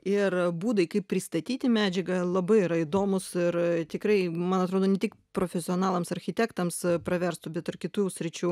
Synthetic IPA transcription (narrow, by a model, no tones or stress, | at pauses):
ɪrbuːd̪ɐɪkɐɪpʲpʲɾʲɪst̪ɐt̪ʲiːt̪ʲɪmʲæːd͡ʒʲɛɡɐlˠɐbɐɪɪɾɐɪd̪oːmʊsɪrt̪ʲɪkɾɐɪmɐnɐt̪ɾoːd̪oːnʲɛt̪ʲɪkpɾoːfʲɛsʲɪoːnɑːlˠɐmsɐɾʲxʲɪt̪ʲæːkt̪ɐmspɾɐʋʲɛɾst̪ʊbʲɛt̪ɪrkʲɪt̪usʲɾʲɪt͡ʃʲuː